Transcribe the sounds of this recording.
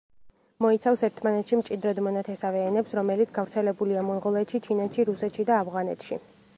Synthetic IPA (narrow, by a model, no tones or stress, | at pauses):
mɔit̪sʰafsɛɾt̪ʰmanɛt̪ʃimt͡ʃʼid̪ɾɔd̪mɔnat̪ʰɛsavɛːnɛpsɾɔmɛlit̪sɡavɾt̪sʰɛlɛbuliamɔnʁɔlˠɛt̪ʃit͡ʃʰinɛt̪ʃiɾusɛt̪ʃid̪aːvʁanɛ̰t̪ʰʃḭ